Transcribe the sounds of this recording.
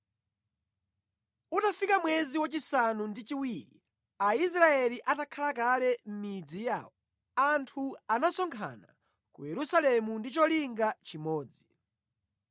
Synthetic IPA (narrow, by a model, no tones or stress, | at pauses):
utafikamwɛziwat͡ʃisanundit͡ʃiwiɾḭ | ais̬ɾaɛliʔatakʰalak̬alɛm̩mid͡zija̰ːwɔ | antʰuanasɔŋkʰa̰na̰ | kujɛɾusalɛmundit͡ʃɔliŋɡat͡ʃimɔːd͡zi